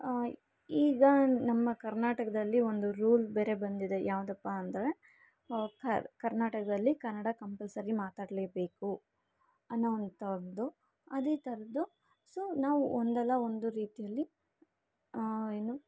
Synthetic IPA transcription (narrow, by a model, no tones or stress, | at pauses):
iːɡɐnɐmːɐkɐɾnaːʈɐkɐd̪ɐlːio̞nd̪uɾuːlbeːɾe̞bɐnd̪id̪e̞jʔaːʋd̪ɐpːɐːnd̪ɐɾe | kɐkɐɾnaːʈɐkɐd̪ɐlːikɐɾnɐɽakɐmpɐlsɐɾimaːt̪aːɽleːbe̞ːku | ɐnːoond̪t̪ɐɾd̪u | ɐd̪eːt̪ɐɾɐd̪u | soːnaːʋuond̪ɛlːɐo̞nd̪uɾiːt̪ijɐlːi | eːnu